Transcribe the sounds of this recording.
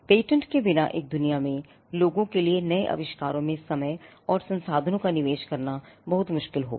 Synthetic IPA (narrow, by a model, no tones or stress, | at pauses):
peːʈə̃ɳʈkebɪnaʔḛːk̚d̪ʊnijamẽ | loːɡõkelienɐeʔɐ̰ʋɪʃkaːɾõmẽsɐməjɔːɾsɐ̃nsaːd̪ʱənõkanɪʋeːʃkɐɾnabɐɦʊt̪mʊʃkɪlɦo̰ː